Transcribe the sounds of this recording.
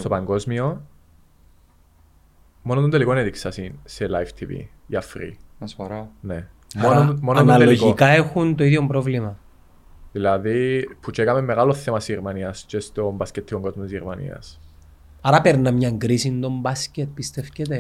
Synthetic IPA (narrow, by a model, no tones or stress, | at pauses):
st̪opɐŋɡo̞zmio | monot̪ond̪elikonet̪iksɐsinselajft̪ʰivḭ | iɐfɾḭɐsɐɾane | monmononɐleloʝikɐexunt̪o̞iðjombɾovlimɐ | ðilɐðipʰut͡ʃekɐmemːeɣɐlo̞θemɐsiɾmɐniɐst͡ʃest̪o̞mbɐscet̪ʰːikoŋɡo̞zmot̪izʝeɾmɐnḭɐ̰s | ɐɾɐpeɾnɐmɲɐŋɡɾisind̪o̞mbɐscet̪̚pist̪e̞fcet̪e